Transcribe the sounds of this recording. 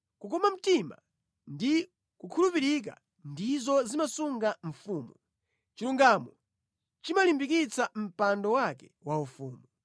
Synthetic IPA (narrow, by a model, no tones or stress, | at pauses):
kukɔmam̩tima̰ | ndi | kukʰulupiɾik̬a̰ | ndizɔzimasuŋɡaɱ̩fuːmu | t͡ʃiɾuŋɡamɔ | t͡ʃimalimbik̬it͡sam̩pandɔwakɛwaufuːmu